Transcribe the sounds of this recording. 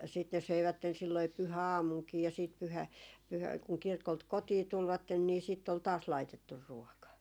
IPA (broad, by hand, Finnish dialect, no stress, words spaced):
siːt ne søiʋætːen silːoi pyhæɑːmuŋkiː jɑ siːt pyhæ pyhæ kuŋ kirkolt kotiː tulʋɑtːen niː siˑtː ol tɑːs lɑitetːur ruɔkɑ